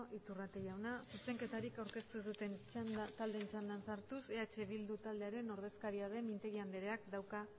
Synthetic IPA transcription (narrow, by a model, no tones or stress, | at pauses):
ʔit̪urat̪ejawnasuse̞ŋke̞t̪aɾikawɾke̞st̪usut̪e̞nant̪ald̪e̞nisand̪ansaɾt̪use̞at͡ʃe̞βild̪ut̪ald̪e̞aɾe̞no̞ɾð̞e̞skaɾiað̞e̞mint̪e̞ɣ̞iand̪eɾe̞akd̪awka